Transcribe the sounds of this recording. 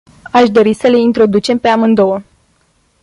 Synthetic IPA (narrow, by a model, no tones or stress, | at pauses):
aʃd̪o̞ɾisəle̞int̪ɾo̞d̪ut͡ʃe̞mpe̞amɨnd̪o̞wə